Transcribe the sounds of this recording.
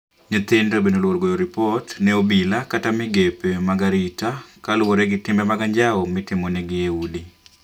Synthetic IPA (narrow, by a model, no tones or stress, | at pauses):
ɲet̪ɪndobenolwoɾɡojoɾɪpɔtnɛobilakatamɪɡepemaɡaɾitakalwoɾɛɡɪtɪmɛmaɡaɲd͡ʒaɔmɪtɪmonɛɡɪjeudi